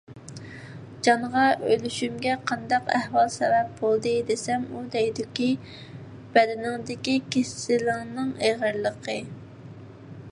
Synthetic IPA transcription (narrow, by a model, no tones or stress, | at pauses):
d͡ʒɑɴʁɑʔøjlyʃymɡʲɛqʰɑnd̪ɑqɛhwɑlˠsɛbɛp̚bolˠd̪ɨd̪esɛmud̪ɛjd̪ɪkʲi | b̥ɛd̪ɪnɪŋd̪ɪkʲikʲʰesɪlɪŋnɨŋeʁəɾlˠəqʰə